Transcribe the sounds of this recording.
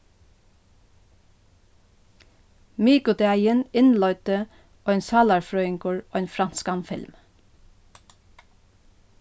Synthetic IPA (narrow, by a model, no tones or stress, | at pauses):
miːkʊt̪ʰɛæɪənɪnlɔʏt̪ə | oːeːnsɑːlɑɹfɹœːɪŋkʰuːɹoːeːnfɾɑnskɑnfɪ̰lm